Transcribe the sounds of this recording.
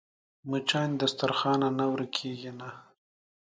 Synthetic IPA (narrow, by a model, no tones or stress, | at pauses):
mut͡ʃɑnd̪əst̪aɾxɑnanawɾəkʰeɡina